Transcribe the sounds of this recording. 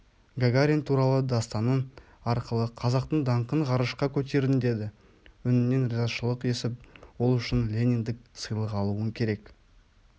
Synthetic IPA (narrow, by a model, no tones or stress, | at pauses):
ɡaɡaɾʲint̪ʰuɾɑlˠəd̪ɑst̪ɑnən | ɑɾqəlˠəqʰɑzɑqt̪əɴd̪ɑɴqəɴʁɑɾəʃqɑkʲʰɵt̪̬e̞ɾɪnd̪e̞d̪ɪ | ʏnɪne̞nrʲealˠʃəlˠəqe̞sɪp̚wo̞lˠʏʃɪnlʲe̞nʲiŋd̪ɪk̚sɨjlˠəqɑlˠuəŋkʲʰe̞ɾe̞k